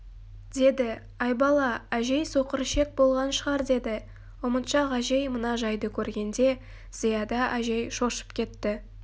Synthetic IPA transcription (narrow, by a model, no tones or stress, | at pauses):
d̪e̞d̪ɪ | ɑjbɑlˠɑæʒe̞jso̞qəɾʃe̞k̚bo̞lˠʁɑnʃəʁɑɾd̪e̞d̪ɪ | wəmət̪ʃɑʁɑʒe̞jmənɑʒɑjd̪əkʲʰɵɾɡʲe̞nd̪e̞ | z̥ijɑd̪ɑʔæʒe̞jʃo̞ʃə̥pkʲʰe̞t̪ːɪ